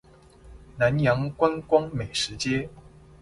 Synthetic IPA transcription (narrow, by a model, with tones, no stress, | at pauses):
na˨˦njɑ˧˥ŋkwa˥nkwɑ˥ŋme˨˩ɪʂɻ̩˧˥t͡ɕjɛ˥